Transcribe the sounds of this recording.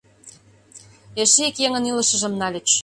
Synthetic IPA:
eʃeikjeŋə̆nilə̆ʃə̆ʒə̆mnɑlʲet͡ɕ

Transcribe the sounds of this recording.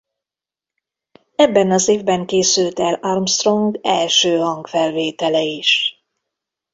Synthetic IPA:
ɛbːɛnɒzeːvbɛŋkeːsylt̪ɛlɑrmst̪ro̞ŋɡɛlʃøːɦɒŋɡfɛlveːt̪ɛlɛiʃ

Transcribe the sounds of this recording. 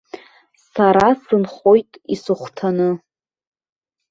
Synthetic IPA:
saɾasɨnχo̞jtʼisɨχʷtʰanɨ

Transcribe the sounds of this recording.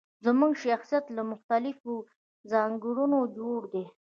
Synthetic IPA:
zəmuŋɡʃaxsijat̪lamʊxt̪alɪfo | zɑŋɡuɽunod͡ʒoɽd̪e

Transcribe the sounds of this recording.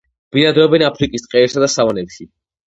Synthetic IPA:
b̥inad̪ɾɔbɛnapʰɾikʼist̪ʼqʼɛɛpsad̪asavanɛpʃi

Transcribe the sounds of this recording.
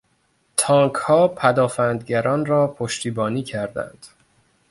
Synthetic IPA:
t̪ʰɒːŋkʰhɒːpʰæd̪ɒːfænd̪ɟæɾɒːnrɒːpʰoʃt̪iːbɒːniːcʰæɾd̪æ̰nd̪̥

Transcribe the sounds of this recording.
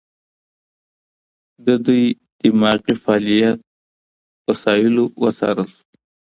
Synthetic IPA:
d̪əd̪uj | d̪̥imɑqifɑlijat̪̚ | wasɑɪlowəsɑ̰ɾəlsu̥

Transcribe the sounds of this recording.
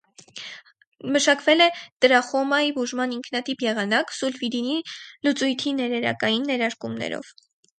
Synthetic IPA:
məʃɑkvɛlɛd̪̥əɾɑχɔmɑjibuʒmɑniŋkʰnɑt̪ipjɛʁɑnɑksulvid̪inilut͡sujt̪ʰinɛɾɛɾɑ̰kɑjinːɛɾɑɾkumnɛ̰ɾɔ̰v̥

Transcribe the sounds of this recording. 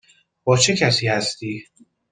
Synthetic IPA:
b̥ɒːt͡ʃʰecʰæsiːhæst̪iː

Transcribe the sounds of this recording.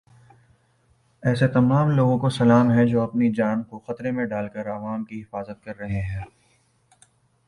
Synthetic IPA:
ɛːset̪ɐmaːmloːɡõkosɐlaːmɦɛd͡ʒoːɐpnid͡ʒaːnkoxɐt̪ɾemẽɖaːlkɐɾɐʋaːmkiɦɪfaːzət̪̚kɐɾːɐɦeɦɛ̃ː

